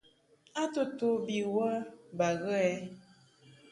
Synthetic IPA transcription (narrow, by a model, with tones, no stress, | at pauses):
a˦to˦to˨˦bi˨wə˦ba˨ɣə˦ɛ˦